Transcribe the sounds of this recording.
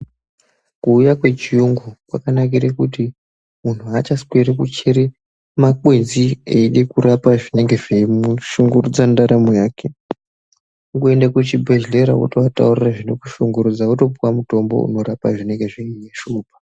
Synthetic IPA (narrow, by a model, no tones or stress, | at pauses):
kuːjakwe̞t͡ʃijuŋɡukwakanak̬iɾekuti | mun̤uat͡ʃaskweɾekut͡ʃeɾe | makwenzieiɗekuɾapaʐine̞ŋɡe̞ʐemuʃuŋɡurud͡zandaɾamojaːke̞ | uŋɡue̞ndakut͡ʃibʱe̞ʒle̞ɾa̰ʔṵtoatauriraʐino̞ku̥ʃuŋɡuɾud͡zauto̞puwamuto̞mbo̞̰ṵno̞ɾapa̰ʐine̞ŋɡe̞ʐiiɲeʃuːbʱḁ